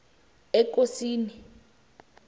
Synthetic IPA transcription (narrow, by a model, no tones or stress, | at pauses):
ɛkosiːni